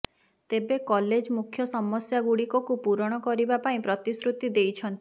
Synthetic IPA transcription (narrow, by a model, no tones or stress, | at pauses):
t̪ebekɔled͡ʒmukʰːjɔsɔmɔsjaɡuɽikɔkupuɾɔɽ̃ɔkɔɾibapaĩpɾɔt̪isɾut̪id̪ejt͡ʃʰɔnt̪i